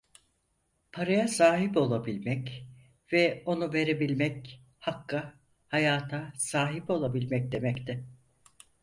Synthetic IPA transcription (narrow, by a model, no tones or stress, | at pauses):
pʰaɾajasaːɦibo̞lˠabilʲmɛc | vɛo̞nuve̞ɾe̞bilʲmɛc | hakʰːa | hajaːt̪ʰasaːɦibo̞lˠabilʲmɛc̚d̪e̞mɛct̪ʰɪ